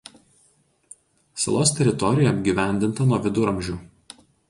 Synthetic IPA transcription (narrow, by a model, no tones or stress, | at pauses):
sɐ̰lˠoːst̪ʲɛɾʲɪt̪ɔɾʲɪjɛɐbʲɡʲiːˑʋʲæˑnʲd̪ʲɪnt̪ɐnuɔʋʲɪd̪ʊɾɐmʲʒʲuː